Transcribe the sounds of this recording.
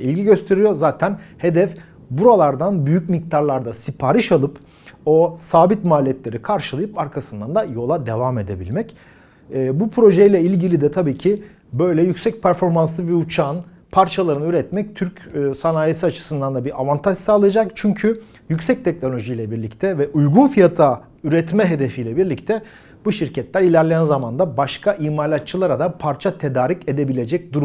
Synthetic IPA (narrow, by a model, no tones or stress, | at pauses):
ilʲɟiɟø̞st̪ʰe̞ɾijo̞zaːt̪ʰænhe̞d̪ɛf | buɾalˠaɾd̪anbyjycmik̚t̪ʰaɾlˠaɾd̪asipʰaːɾɯʃalˠɯp | o̞saːbit̪maːlʲijɛt̪lʲe̞ɾikʰaɾʃɯlˠajɯpaɾkʰasɯnd̪and̪ajo̞lˠad̪e̞vaːme̞d̪e̞bḭlʲmɛcː | bupʰɾo̞ʒejlʲɛilʲɟilʲid̪ɛt̪ʰabiːcʰi | bø̞jlʲɛjycsɛc̚pʰæɾfo̞ɾmanslˠɯbiut͡ʃʰaːn | pʰaɾt͡ʃʰalˠaɾɯnyɾɛt̪mɛc̚t̪ʰyɾcːsanaːjesiat͡ʃʰɯ̥sɯnd̪and̪abiʔavant̪ʰaʒ̥saːlˠɯjad͡ʒakt͡ʃʰyɲcʰy | jycʲsɛc̚t̪ʰɛc̚no̞lʲo̞ʒijlʲɛbiɾlʲict̪ʰɛvɛʔujɡunfijat̪ʰa | yɾɛt̪mɛɦe̞d̪e̞fijlʲɛbiɾlʲic̚t̪ʰɛ | buʃiɾcʰɛt̪lʲæɾilʲæɾlʲejænzamand̪abaʃkʰaʔiːmalʲat͡ʃʰɯlˠaɾad̪apʰaɾt͡ʃʰat̪ʰe̞d̪aːɾice̞d̪e̞bilʲe̞d͡ʒɛc̚d̪uɾm